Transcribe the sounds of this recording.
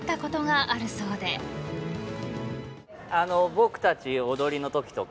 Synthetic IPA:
t̪ːako̞t̪o̞ɡaʔaɾɯ̟so̞ːd̪e̞ | anobokɯ̟̥t̪at͡ɕiod̪o̞ɾʲino̞t̪okʲi̥t̪o̞k

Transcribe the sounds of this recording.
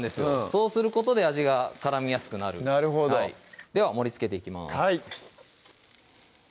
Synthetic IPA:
nd̪e̞sɨso̞ːsɨɾɯ̟ko̞t̪o̞d̪e̞aʑiɡakaɾamʲijasɨ̥kɯ̟naɾɯ̟naɾɯɦod̪oid̪e̞β̞amo̞ɾʲit͡sɨ̥ke̞t̪e̞ikʲima̰ai

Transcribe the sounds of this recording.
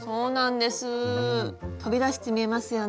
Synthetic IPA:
so̞ːnãnd̪e̞sɨ | t̪o̞bʲid̪aɕi̥t̪e̞mʲie̞masɨjo

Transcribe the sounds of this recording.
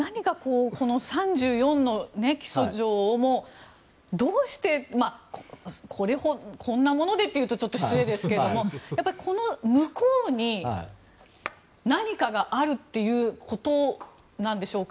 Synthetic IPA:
naɲ̟ikakoːko̞no̞sãɲ̟d͡ʑɨːjõ̞nːo̞ne̞kʲi̥soʑo̞ːmo̞ | d̪o̞ːɕi̥t̪e̞makokʰoɾe̞hokʰõ̞nːamo̞no̞d̪e̞t̪ːe̞jɯ̟ːt̪o̞t͡ɕo̞t̪ːo̞çi̥t͡sɨe̞d̪esɨ̥ke̞ɾed̪o̞mo̞japːaɾʲiko̞no̞mɯ̟koːɲ̟i | naɲ̟ikaɡaʔaɾɯ̟t̪ːe̞jɯ̟ːkʰo̞t̪o̞ | nãnd̪e̞ɕo̞ːka

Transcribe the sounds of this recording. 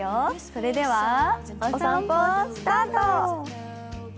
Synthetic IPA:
osoɾe̞d̪e̞βa | sãost̪aːt̪o

